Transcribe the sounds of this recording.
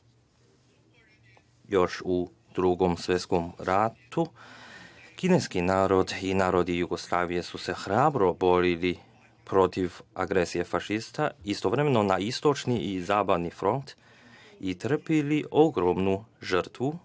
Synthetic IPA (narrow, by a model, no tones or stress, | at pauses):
jo̞ʃu | d̪̥ɾuɡo̞msʋjet̪skomɾat̪u | kine̞skinaːɾo̞d̪inaːɾo̞d̪ijuɡo̞slˠaːʋije̞suse̞xɾaːbɾo̞bo̞ɾili | pɾo̞t̪iʋa̰ɡɾesije̞faʃist̪aist̪o̞ʋɾemeno̞naist̪o̞t͡ʃniʔizaːbaʋnifɾo̞nt̪ | it̪r̩piliʔo̞ɡɾomnuʒəɾt̪ʋu